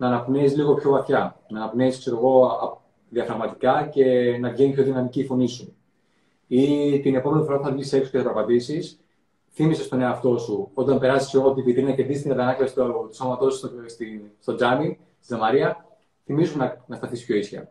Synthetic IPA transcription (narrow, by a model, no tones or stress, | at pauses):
nɐːnɐpneizliɣo̞pço̞vɐθçɐnɐːnɐpneiskse̞ɾo̞ɣo̞ɐ | ðiɐfɾɐɣmɐt̪ikɐce̞nɐvʝenipço̞ðinɐmicifo̞nisu | it̪ine̞po̞me̞nifo̞ɾɐpuθɐvʝise̞kso̥cesɐpɾpɐt̪isis | θimise̞st̪o̞neɐft̪o̞suo̞t̪ɐmpe̞ɾɐzi̥seɣot̪ipit̪ɾinɐceɾd̪ist̪iŋɡɐt̪ɐnɐklɐsi̥t̪ot̪u̥so̞mɐt̪o̞sst̪ist̪o̞d͡zɐni | st̪isɐmɐɾiɐ | θimizunɐnɐst̪ɐθispço̞isçɐ̰